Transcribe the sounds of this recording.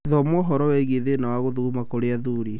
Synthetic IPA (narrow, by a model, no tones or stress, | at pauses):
ðɔmɔɦɔɾɔwɛɣeðenawaɣoðuɣumakoɾeaðuɾi